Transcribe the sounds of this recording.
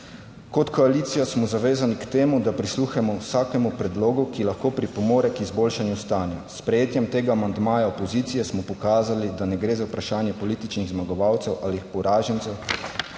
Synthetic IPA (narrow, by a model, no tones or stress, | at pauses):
kɔt̪kɔaliːt̪sijasmɔzaʋeːzanikt̪eːmud̪apɾisluːxɛmɔwsaːkɛmupɾɛd̪loːɡukilaxkoːpɾipɔmoːɾɛkizboːlʃanjust̪aːnja̰spɾɛjeːt̪jɛmt̪eːɡaːmand̪maːjaopɔziːt̪sijɛsmɔpɔkaːzalid̪anɛɡɾeːzawpɾaʃaːnjɛpɔliːt̪it͡ʃniɣzmaɡɔʋawt̪sɛwʔaːlixpɔwɾaːʒɛnt̪sɛw